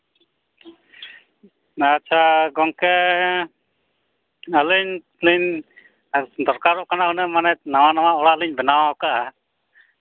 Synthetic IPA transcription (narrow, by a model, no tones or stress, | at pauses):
atːt͡ʃʰaɡɔŋkɛ | ələɲ | liɲ | d̪ɔɾkaɾɔʔkanaɔnɛmanɛnawanawaɔɽaliɲbɛnawaɔkaʔa